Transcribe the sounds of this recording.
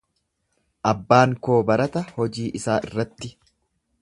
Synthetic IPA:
ʔɐbːaːŋko̞ːbɐɾɐt̪ɐhɔd͡ʒiːʔɪsaːʔɪ̰rːɐt̪ːɪ

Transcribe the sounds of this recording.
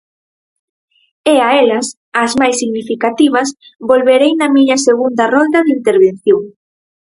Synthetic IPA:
eaɛlɐs | ɐzmajsːiɣnifikat̪iβ̞ɐsbolβeɾejnɐmiɲɐseɣund̪ɐrɔnd̪ɐðint̪eɾβ̞enθjoŋ

